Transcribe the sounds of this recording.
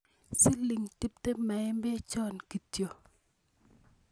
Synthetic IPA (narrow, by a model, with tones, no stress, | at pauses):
si˦li˨ŋti˦p̚te˦mɛ˨˦mbɛ˦t͡ʃɔ˦˨nki˨tjo˨